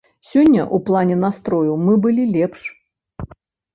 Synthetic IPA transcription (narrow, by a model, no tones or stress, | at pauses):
sʲɔnʲːɐ̰ʔuplˠanʲɛnast̪ɾɔjuwmɨbɨlʲilʲɛpʂ